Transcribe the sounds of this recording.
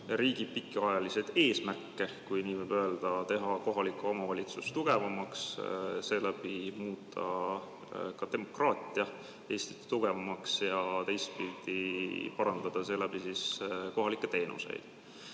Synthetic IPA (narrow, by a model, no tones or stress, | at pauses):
ɾiːɡ̥i̥pikːˑeɑjɑlise̞d̪̥e̞ːsmærkːe̞kujniːvɨjb̥øe̞ld̪̥ɑt̪e̞ɦɑko̞ɦɑlikˑːuomɑvɑlʲit̪sust̪uɡ̥e̞vɑmɑksse̞læb̥imuːt̪ʰːˑɑ̰ | kɑd̪e̞mo̞krɑːt̪ʲˑiɑ | e̞ːst̪i̥t̪t̪uɡ̥e̞vɑmɑksjɑt̪e̞jst̪̚pild̪̥ipɑɾɑnd̪ɑd̪̥ɑse̞læb̥isisko̞ɦɑlikːˑe̞t̪e̞ːnṵse̞̰jd̪̥